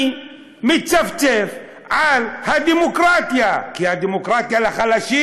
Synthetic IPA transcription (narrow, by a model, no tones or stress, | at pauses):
mitt͡ʃaft͡ʃef | ʕalhad̪emokɾat̪jakihademokɾat̪jalaχalaʃi